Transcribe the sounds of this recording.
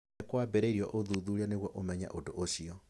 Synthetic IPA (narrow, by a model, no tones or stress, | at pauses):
ekwabɛɾeɾiɔʔoðuðuɾianeɣwɔʔomɛɲa̰ʔodoʔosiɔ